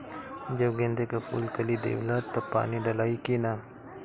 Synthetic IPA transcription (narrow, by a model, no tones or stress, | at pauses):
d͡ʒɐbɡẽnd̪ekapʰṵːlkəlid̪ḛːʋlat̪ːopa̰ːniɖɐlaːikina